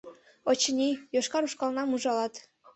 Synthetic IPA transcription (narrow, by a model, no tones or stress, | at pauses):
ot͡ɕənʲijoʃkɑɾuʃkɑlˠnɑmuʒɑlˠɑt̪